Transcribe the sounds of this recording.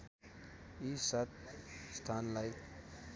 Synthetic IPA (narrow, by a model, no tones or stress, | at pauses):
isat̪̚st̪ʰanlaj